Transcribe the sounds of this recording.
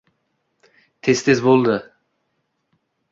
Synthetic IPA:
t̪ʰest̪ʰezbolˠd̪ɪ

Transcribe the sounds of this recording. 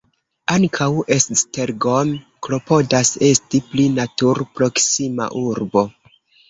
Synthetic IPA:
aŋkʰawe̞ssteɾɡo̞m | klo̞po̞dase̞stiplinatuɾpɾo̞ksima̰ʔuɾbo̞

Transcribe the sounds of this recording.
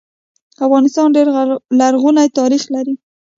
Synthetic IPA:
afɣɑnɪst̪ɑnɖeɾlaɾɣunajt̪ɑɾixlaɾi

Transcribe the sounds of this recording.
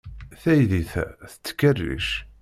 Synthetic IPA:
θæjðiθæθə̥t͡sːə̥kːərːḭʃ

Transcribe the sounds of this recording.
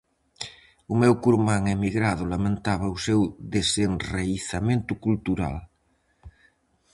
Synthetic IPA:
umɛwkuɾmaŋemiɣɾaðʊlamẽnt̪aβ̞ausewðesenreiθamẽnt̪ukult̪uɾa̰l

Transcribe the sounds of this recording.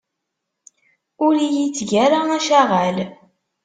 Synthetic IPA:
ʊɾijit͡sːʝæɾaæʃæʁæl

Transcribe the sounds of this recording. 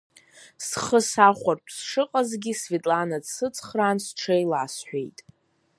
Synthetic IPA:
sχəsaχʷarpʰsʂɨqʼazɡʲisvetʼlanad͡zsɨt͡sʰχraːnsʈ͡ʂʰejlʕasħʷᶣḛjtʼ

